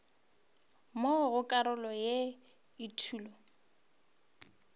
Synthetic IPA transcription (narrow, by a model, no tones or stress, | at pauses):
moɣʊkʼaɾʊlɔje | itʰuːlɔ